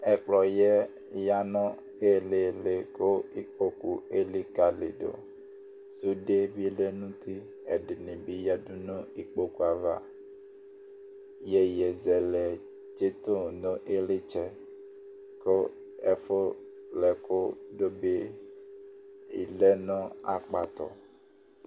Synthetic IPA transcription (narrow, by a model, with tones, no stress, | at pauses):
ɛ˨k͡plɔ˨jɛ˦ | ja˦nɔ̃˦ | e˦˨le˨le˨ko˦i˦k͡po˨ku˨e˦li˦ka˨lɪ̰˨do̰˨ | su˦de˦bi˦le˦nũ˦t̪i˦ | ɛ̰˨dɪ˨nɪ̃˨bi˦ja˦du˦nõ˦i˦k͡po˦ku˨a˨va˦ | jɛ˦jɛ˨zɛ˨lɛ˨ | d͡ʒe˦t̪o˦˨nɔ̃˦ʔe˦le˦t͡ʃɛ˦ | ko˦ | ɛ˨fo˦ | lɛ˨ko˦do˦be˦ | i˨lɛ˦nɔ̃˦a̰˨k͡pa˨t̪ɔ̰˨